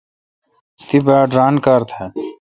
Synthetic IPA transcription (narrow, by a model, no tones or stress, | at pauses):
t̪ibaːɖɾaːnkaːɾt̪ʰɛ